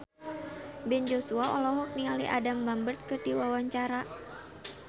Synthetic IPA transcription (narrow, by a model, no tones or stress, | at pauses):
bɛnd͡ʒosuaɔlɔɦɔk̚niŋaliʔa̰damlambərt̪̚kərdiwawaɲt͡ʃaɾa